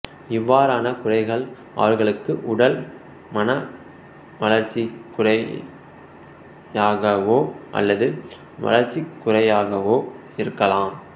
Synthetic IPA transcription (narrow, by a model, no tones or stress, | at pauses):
ɪʋːaːɾaːnɐkʊrɐɪɣɐɭ | ʔɐ̰ʋɐɾɣɐɭɯkːɯʔʊɽɐl | mɐnɐ | ʋɐlɐɾt͡ʃːikːʊrɐ | aːɣɐʋoːʔɐ̰lːɐðɯ | ʋɐ̰lɐɾt͡ʃːikːʊrɐjaːɣɐʋoː | ɪɾɯkːɐlaːm